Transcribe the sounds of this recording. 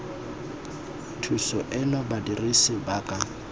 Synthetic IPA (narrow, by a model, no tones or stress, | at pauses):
tʰusɔʔɛnɔbadirisɪbaːkʼa